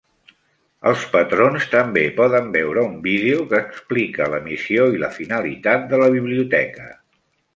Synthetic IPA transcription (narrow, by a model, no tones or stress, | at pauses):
ə̰lˠspət̪ɾonst̪əmbepɔðəmbɛwɾəumbiðeukəːksplikələmisioiləfinəlḭt̪at̪̚d̪ələβiβ̞liut̪ɛkə